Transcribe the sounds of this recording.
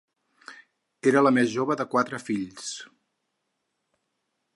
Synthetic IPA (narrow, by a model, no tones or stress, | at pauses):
eɾələmezʒoβəðəkwat̪ɾəfiʎs